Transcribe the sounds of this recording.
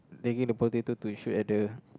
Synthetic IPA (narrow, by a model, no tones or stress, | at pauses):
deɡĩŋdəpɔlit̪it̪ut̪uʃutɛʔ̚də